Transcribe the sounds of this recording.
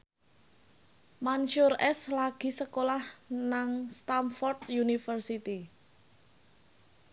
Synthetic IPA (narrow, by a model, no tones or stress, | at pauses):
manʃʊrɛslaɡ̥i̤səkolahnaŋst̪amfɔrdt̪junifərsit̪i